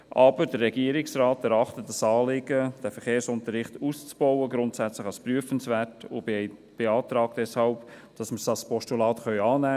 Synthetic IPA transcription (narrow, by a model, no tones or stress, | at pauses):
ʔɑbəɾdərːɛɡiəɾɪksrɑːtɛɾɑχtətdɑsɑːlɪɡ̥əd̥æfəɾχeːɾsʊntəɾɪχtuːst͡sb̥ɔwəɡɾʊntsæt͡sləχɑlspryəfənsvæːtʊ | b̥eɑːt̪ɾɑːkd̥ɛshɑlp | d̥ɑsməɾsɑspɔʃtulɑːtχœʏɑːnæː